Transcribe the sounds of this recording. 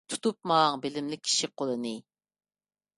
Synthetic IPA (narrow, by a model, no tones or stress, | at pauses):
t̪ʰu̥t̪ʰup̚mɑŋbɪlɪmlɪk̚ʲʰːi̥ʃiqʰolˠɨnɨ